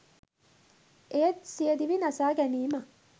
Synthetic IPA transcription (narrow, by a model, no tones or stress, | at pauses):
eɐt̪siəd̪iʋinɐsaːɡæniːmɐ